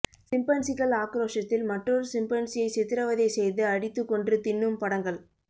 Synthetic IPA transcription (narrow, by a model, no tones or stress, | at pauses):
sɪmpɐɳsɪɣɐɭaːkɾoːʂɐt̪ːɪlmɐʈrɔɾsɪmpɐnsɪjɐɪsɛt̪ːɪɾɐʋɐðɐɪsɛjðɯɐɽɪt̪ːɯkːɔɳdrɯt̪ɪnːɯmpɐɽɐŋɡɐɭ